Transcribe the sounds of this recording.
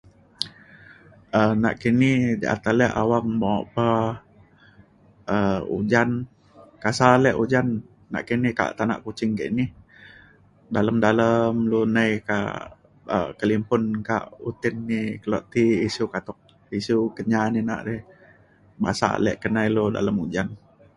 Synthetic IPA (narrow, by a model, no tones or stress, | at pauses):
əna̰ʔkinid͡ʒa̰ʔa̰t̪alɛʔa̰waŋmoʔpə | əṵd͡ʒan | kasalɛʔud͡ʒanː | a̰ʔkinihka̰ʔt̪ana̰ʔkut͡ʃɪŋkə̰ʔni | daləmdaləmlunəjka̰ʔ | ə̰kəlimpʊnka̰ʔut̪ɪnːikəlɔʔt̪iːsukat̪ɔk̚ | isukəɲanina̰ʔdɛh | ba̰sa̰lɛ̰ʔkənajluda̰ləmud͡ʒan